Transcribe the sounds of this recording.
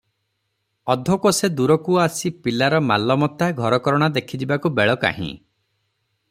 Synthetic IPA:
ɔd̪ʱɔkɔsed̪uɾɔkuasipilaɾɔmalɔmɔt̪aɡʱɔɾɔkɔɾɔɽ̃ad̪ekʰid͡ʒibakubeɭɔka̰ɦḭ̃

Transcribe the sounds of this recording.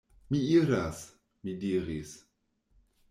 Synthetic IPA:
miiɾas | midiːʁis

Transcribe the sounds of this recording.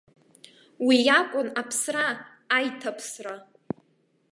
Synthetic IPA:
wijakʷʼʊnapʰsraː | jtʰapʰsra

